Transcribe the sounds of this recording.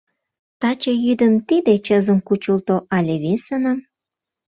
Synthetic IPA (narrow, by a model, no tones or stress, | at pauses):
t̪ɑt͡ɕejyd̪əmt̪id̪et͡ɕəzə̆mkut͡ɕult̪oʔɑlʲeβesənə̆m